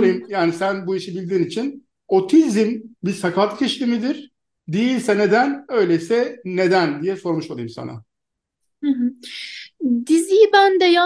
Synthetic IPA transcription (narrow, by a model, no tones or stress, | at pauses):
ɯjmjaːnisænbuiʃibilʲd̪iːnit͡ʃʰin | ot̪ʰizimbisakʰat̪cʰɛʃlʲimid̪iɾ̥ | d̪ejilʲsɛne̞d̪ænø̞jlʲeisɛne̞d̪ænd̪ijɛso̞ɾmuʃmad̪ˠɯ̰jimsa̰na̰ | hɯɦɯ | d̪izijibænd̪ɛja